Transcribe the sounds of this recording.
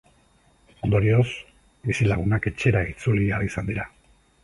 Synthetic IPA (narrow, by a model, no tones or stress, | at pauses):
o̞nd̪o̞ɾio̞s | bisilaɣ̞unake̞t͡ʃe̞ɾait͡suliaɾisand̪iɾa